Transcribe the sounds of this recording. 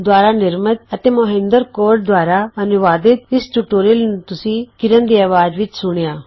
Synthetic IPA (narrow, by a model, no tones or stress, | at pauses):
d̪waːɾanɪɾmət̪̚ɐt̪eːmɐɦẽːnd̪əɾkoːɾʈ̚d̪waːɾaɐnʊʋaːd̪ɪt̪̚ɪsʈuʈoːɾilt̪ʊsĩːkɪɾənd̪iaːʋaːd͡ʒʋɪt͡ʃsʊɽ̃jaː